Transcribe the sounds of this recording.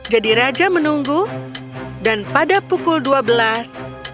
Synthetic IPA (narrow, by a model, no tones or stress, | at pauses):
d͡ʒadiɾad͡ʒamənuŋɡu | danpadapukʊlduabəlas